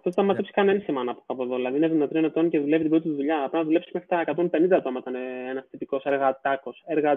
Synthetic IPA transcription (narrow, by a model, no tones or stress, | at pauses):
ɐft̪ot̪t̪ɐmɐt̪epsi̥kɐnenisimɐnɐpokɐpoðoðilɐðiineðinɐt̪ienot̪o̞nceðule̞vit̪ibɾo̞t̪t̪uðuʎɐɐpɾinɐðulepsi̥smxɾi̥t̪ɐekɐt̪o̞mpe̞nind̪ɐt̪omɐit̪ɐneenɐst̪ipiko̞seɾɣɐt̪ɐko̞seɾɣɐ